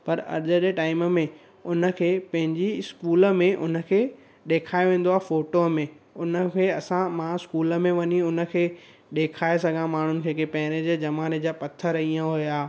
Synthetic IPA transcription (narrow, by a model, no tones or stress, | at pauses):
pɐɾɐ̰ɾʄəɗeʈaːɪməmẽ | ʊnə̆kʰeːpɐ̃ɦɪ̃ɲd͡ʑiɪskuːlə̆mẽʔʊnə̆kʰeː | ɗeːkʰaːeʋẽːn̆d̪oaːfoːʈomẽ | ʊnə̆kʰeːɐsãmãɪskuːlə̆mẽʋɐɲiʊnə̆kʰeː | ɗeːkʰaːes̬ɐɡʱãmaːɳ̤ʊnɪ̆kʰeːkeːpɛɦɪɾ̃ed͡ʑed͡ʑɐmaːned͡ʑaːpɐt̪ʰəɾiːə̃ɦʊjaː